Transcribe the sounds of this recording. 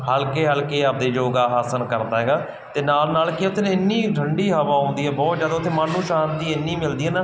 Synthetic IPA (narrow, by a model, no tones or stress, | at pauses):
ɦəlkeːɦəlkeːaːp̚d̪eːd͡ʒoːɡaːaːsənkəɾd̪aːɦɛːɡaː | t̪eːnaːlnaːlkɪʊt̪ʰːeːnẽːɪnːiːɡʱəɳɖiːɦəʋaːɦʊ̃ːnd̪iːɛːbɔːt̪d͡ʒaːd̪aːʊt̪ʰːeːmaːnũːʃaːnt̪iːɪnːĩːmɪld̪iːɛːnaː